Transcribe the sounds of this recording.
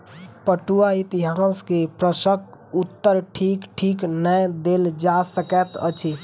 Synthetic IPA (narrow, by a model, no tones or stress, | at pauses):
pəʈuait̪iɦãskepɾəsəkut̪ːəɾʈʰikʈʰiknəjd̪eld͡ʒasəkɛt̪ə̰t͡ʃʰi